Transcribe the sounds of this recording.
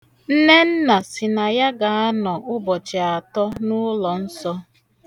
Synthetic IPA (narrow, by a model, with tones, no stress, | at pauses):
n̩˦ne˦n̩˦na˨sɪ˨na˨ja˦ɡa˨a˦nɔ˨ʔʊ˦bɔ˨t͡ʃe˨a˨tɔ˦nʊ˦lɔ˨n̩˦sɔ˦